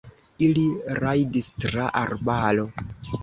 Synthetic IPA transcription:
iliɾajdistɾaʔaɾbalo

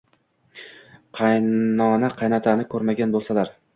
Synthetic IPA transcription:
qʰɑjnɒnaqʰɑjnat̪ʰanɪkʰɵɾmaɡʲanbolˠsalaɾ

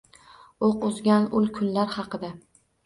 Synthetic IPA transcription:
oqʊzɡʲanʊlˠkʲʰʊnlaɾχɑqɨd̪a

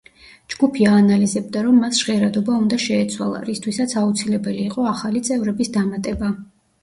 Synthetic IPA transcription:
d͡ʒɡupʰiaːnalizɛb̚d̪aɾɔmːasʒ̥ʁɛɾad̪ɔbaund̪aʃɛːt̪sʰwa̰lˠa̰ɾist̪ʰwisat̪sʰaut̪sʰilɛbɛliːqʼɔaχalit̪sʼɛvɾɛbisd̪amat̪ʼɛba

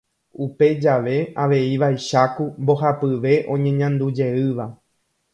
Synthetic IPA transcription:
upe̞d͡ʒaʋe̞aʋe̞iʋajʃakumbo̞ɦapɨʋe̞ʔõ̞ɲẽ̞ɲãnd̪ud͡ʒe̞ɨʋa

